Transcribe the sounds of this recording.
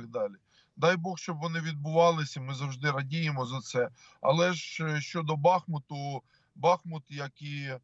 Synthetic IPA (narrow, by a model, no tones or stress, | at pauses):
ɡ̚d̪ɑlʲi | d̪ɑjbɔxʃt͡ʃɔbʋɔnɪʋʲid̪̚bʊʋɑlˠɪsʲɐmɪzɐwʒd̪ɪɾɐdʲijemɔzɐt̪sɛ | ɐ̰lˠɛʒʃt͡ʃɔd̪ɔbɑxmʊt̪ʊ | bɑxmʊt̪jɐki